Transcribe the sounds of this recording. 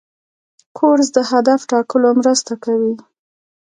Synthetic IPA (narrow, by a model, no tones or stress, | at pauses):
kʰoɾzd̪əhad̪afʈɑkəlomɾəst̪akawi